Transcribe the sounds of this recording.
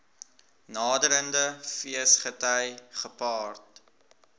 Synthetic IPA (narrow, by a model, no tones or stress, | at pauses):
nɑːdəɾəndəfiəsχətəjχəpɑːrt